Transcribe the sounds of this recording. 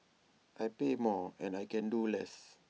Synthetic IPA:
ʔajpemɔɛ̃najkɛ̃ndulɛs

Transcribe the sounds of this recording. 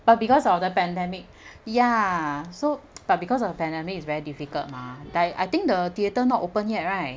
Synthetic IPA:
b̥at̚bikɔsɔfdəpɛ̃ndɛmik̚ | jasob̥at̚bikɔs̬ɔfdəpɛ̃ndɛmikisvɛɹidifikə̰lt̚madata̰jt̪ĩŋk̚dətiətənɔtʔopə̃njɛt̚ɹaɪt̚

